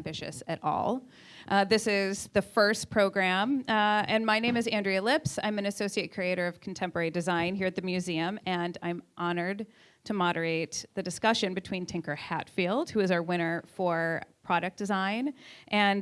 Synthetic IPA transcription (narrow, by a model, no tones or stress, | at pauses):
mbɪʃɨ̰sɨɾʔɔ̰lˠ | ʔðɪsɪzðɨfɜ˞spʰɹ̥oʊɡɹæ̃mɨ̃nmaɪnẽɪ̃mɨzæ̃ndɹiɨlɪpsã̰ɪ̃mɨ̃nɨsoʊsieɪt̚kʰɹ̥ieɪɾə˞ʌv̥kʰn̩tʰɛ̃mpə˞ɛɹidɨzãɪ̃nɦiɹɨt̪̚ðɨmjʉziɨ̃mɨ̃nã̰ɪ̃mʔɑnə˞d̚ | tʰɨmɑɾə˞eɪt̪̚ðɨdɨskʌʃɨ̃nbɨtʰw̥ĩntʰɪ̃ŋkə˞hæ̰tfilˠd̥̚hʉɨzawɪ̃ñə˞fə˞pʰɹ̥ɑɾɨk̚d̥ɨzãɪ̃nʔɨ̃n